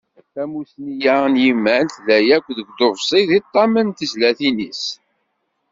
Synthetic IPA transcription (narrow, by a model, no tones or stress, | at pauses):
θæmusnijæənjimːænθðæjækʷːðəɡd̪ovsˤiðit̪ˤːɑmənt̪əzlæθinis